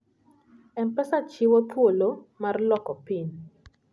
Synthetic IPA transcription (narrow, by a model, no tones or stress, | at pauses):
ɛnpɛsat͡ʃiwɔt̪wolomarlɔkɔpin